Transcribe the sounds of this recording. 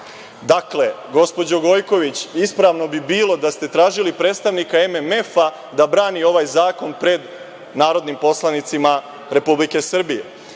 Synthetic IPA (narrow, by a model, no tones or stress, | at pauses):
d̪akle̞ | ɡo̞spo̞d͡ʑo̞ɡo̞jko̞ʋit͡ɕispɾaʋno̞bibiːlo̞d̪ast̪e̞t̪ɾaːʒilipɾe̞ːt̪st̪aʋnikaememe̞fa | d̪abɾaːnio̞ʋajzaːko̞npɾe̞d̪ | naːɾo̞d̪nimpo̞slanit̪sima | ɾe̞publike̞sr̩bije